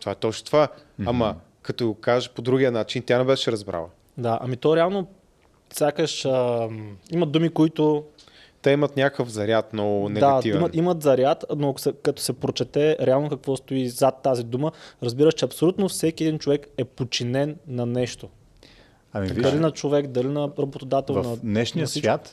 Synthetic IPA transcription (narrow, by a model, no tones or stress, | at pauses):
t̪o̥vaɛt̪ɔt͡ʃnot̪ovaamɐ | kɐt̪ɔɡokaʒəpod̪ɾuɡʲiənat͡ʃint̪ʲjanɛbɛʃɛɾɐzbɾa̰lˠə | d̪aʔɐ̰mit̪ɔɾɛalˠno | sʲjakəʃə | imɐd̪d̪umikoit̪ʊ | t̪ɛimɐt̪nʲakkəfzɐɾʲjat̪nɔɡʊnd̪ɛɡ̪aɐivɛmɐnimət̪zɐɾjat̪noɐko̥sɛkɐt̪o̥sɛpɾot͡ʃɛt̪ɛɾɛalˠnokɐkvɔst̪oizat̪ːazid̪uməɾɐzbiɾəʃt͡ʃɛɐpsolʲut̪nofsɛkʲiɛd̪int͡ʃovɛkɛpot͡ʃinɛnːɐnɛʃt̪o | ɐmid̪ɐlinɐt͡ʃovɛkd̪ɐlinɐɾɐbot̪od̪at̪ɛlˠnɐnɛʃnijəsvʲjat̪